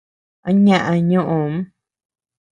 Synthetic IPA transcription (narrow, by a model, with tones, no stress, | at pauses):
a˦ɲã˨ʔã˨˧ɲũ˦ʔũ˨m˦